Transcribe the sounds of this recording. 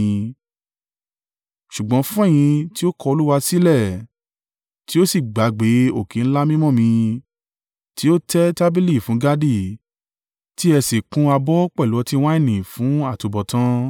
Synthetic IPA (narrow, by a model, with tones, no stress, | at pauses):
ʃu˨ɡ͡bɔ̃˨˦fũ˦ɛ˦˨j̃ĩ˧ti˦o˦kɔ˧o˧lu˦wa˧si˦lɛ˦˨ | ti˦o˦si˦˨ɡ͡ba˨˦ɡ͡be˨˦o˦˨kẽ˨˦n̩˦la˦mĩ˦mɔ̃˦˨mĩ˧ | ti˦o˦tɛ˦ta˦bi˦li˦˨fũ˨˦ɡa˦di˦˨ | ti˦ɛ˧se˨kũ˦a˧bɔ˦k͡pɛ˦˨lɔ˨˦ti˦w̃ã˦i˦˨nĩ˨fũ˨˦a˦˨to˨˧bɔ˨tã˦